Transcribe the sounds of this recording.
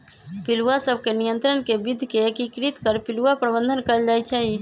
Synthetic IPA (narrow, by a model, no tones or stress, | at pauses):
piluwasəb̚ʱkenijənt̪ɾənkebid̪ʱkeekikɾit̪kəɾpiluapɾəbənd̪ʱənkəəld͡ʒajt͡ʃʰɛi